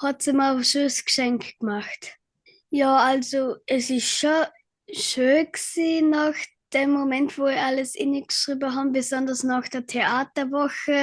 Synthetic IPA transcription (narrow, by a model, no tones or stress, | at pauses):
hɑtsimaʃøsɡ̥ʃɛŋkɡ̥maxt | jɑːʔalzoɛsɪsʃo | ʃøːnksiːnɑːx | d̥eːmːomɛntvoːɪaləsʔɪ̰nəɡʃʁiːbəɦɑːmbɪzɔndɐsnɑːxd̥eːɐtʰeaːtɐvɔxə